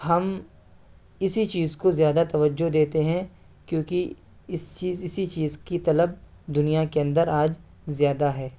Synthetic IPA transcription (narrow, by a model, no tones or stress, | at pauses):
hɐm | ɪsit͡ʃiːzkozjaːd̪at̪ɐʋəd͡ʒːoɦd̪eːt̪eɦɛ̃ | kjõːki | ɪst͡ʃiːzɪsit͡ʃiːzkit̪ɐləb̚ | d̪ʊnijakeɐ̃nd̪əɾaːd͡ʒ | zjaːd̪aɦɛː